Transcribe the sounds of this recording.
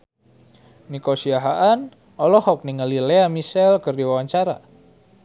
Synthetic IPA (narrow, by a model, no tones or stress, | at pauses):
nikosiaɦaʔan | ɔlɔhɔk̚niŋəlileamisɛlkərdiwawaɲt͡ʃaɾa̰